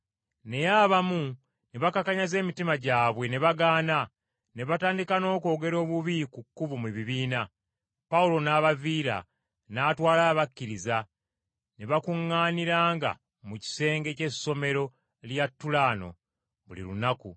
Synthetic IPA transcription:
ne̞jaːβamu | neβakakaɲaze̞ːmitimaɟaːβwe̞ne̞βaɡaːna | ne̞βataːndikano̞ːko̞ːɡe̞ɾo̞ːβuβikukːuβumweβiβiːna | paulo̞naːβaviːɾa̰ | naːtwaːlaːβakːiɾiza | neβakuŋːaːniɾaːŋɡa̰ | muci̥se̞ːŋɡe̞ce̞so̞me̞ɾo̞ | ljatːulaːno̞̰ | βulḭlṵnakṵ

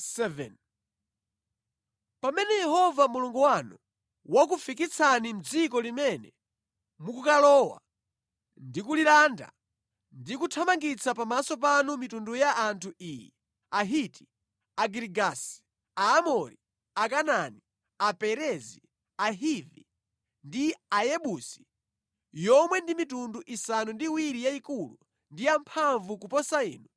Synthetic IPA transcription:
sɛvɛn | pamɛnɛjɛhɔvamuluŋɡuwanu | wak̬ufik̬it͡sʰanim̩d͡zikɔlimɛnɛ | mukukalɔwa̰ | ndikulilanda̰ | ndikutʰamaŋɡit͡sapamasɔp̬anumitundujaʔːntʰuiːjɛ | aɦiti̥ | aɡɾiɡasi̥ | aːmɔɾi | akanani | apɛɾɛzi | aɦivḭ | ndiajɛɓusi̥ | jɔmwɛndimitunduʔisanundiwiɾijaikulṵ | ndijampʰaɱvukupɔsaḭːnu

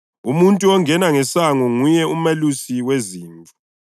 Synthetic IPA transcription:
umuntʼuɔŋɛnaŋɛsaŋɔŋujɛumelusiweziːɱbʱu

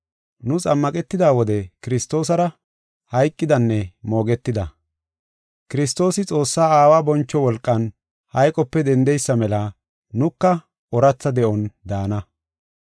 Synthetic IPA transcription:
nʊt͡sʼɐmːɐkʼɛt̪ːɪd̪aːwɔd̪ɛkɪɾɪst̪o̞ːsɐɾɐ | hɐjkʼːɪd̪ɐnːɛmo̞ːɡɛt̪ːɪd̪ɐ | kɪɾɪst̪o̞ːsɪt͡sʼo̞ːsːaːaːwaːbɔnt͡ʃːɔwɔlkʼːɐn | hɐjkʼɔpːɛd̪ɛnd̪ɛjsːɐmɛlɐ | nʊkːɐ | ɔɾɐt͡sːɐd̪ɛʔɔnd̪aːnɐ

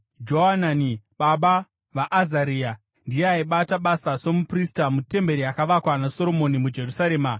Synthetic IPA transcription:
d͡ʒo̞ɦananiɓaɓa | ʋaʔːzaɾiːja | ndijeaiɓataɓasaso̞mupristamute̞mbe̞ɾiakaʋakwanaso̞ɾo̞mo̞nimud͡ʒe̞rusaɾe̞ːma

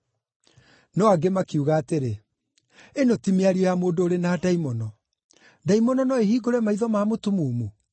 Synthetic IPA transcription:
nɔaɡemakiuɣaːteɾe | enotimeaɾiɔjamoːndoːɾenadaimɔnɔ | daimɔnɔnɔeɦiːɡoɾɛmaiðɔmaːmotumumu

